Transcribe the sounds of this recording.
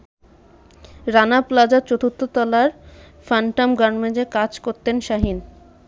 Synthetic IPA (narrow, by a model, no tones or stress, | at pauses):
ɾanaplad͡ʑaɾt͡ɕot̪ut̪ːot̪ɔlaɾ | faɳʈamɡaɾmed͡ʑekad͡ʑkoɾt̪enʃaɦin